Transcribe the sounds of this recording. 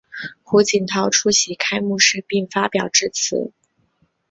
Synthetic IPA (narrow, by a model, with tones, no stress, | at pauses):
xu˧˥t͡ɕi˨˩nt̪ʰɑ˧˥ʊʈ͡ʂʰu˥ɕi˧˥kʰa˥ɪmu˥˧ʂɻ̩˥˧pi˥˩ŋfa˥pjɑ˨˩ʊʈ͡ʂɻ̩˥˩t͡sʰɹ̩̰˨˧˥